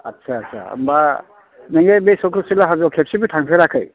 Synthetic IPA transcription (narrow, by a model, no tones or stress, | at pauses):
a̰tːsʰaːsʰa̰a̰mba | neŋebesɔkʰɾɔsilaɦazɔkʰep̚sibitʰaŋpʰeɾakʰɯj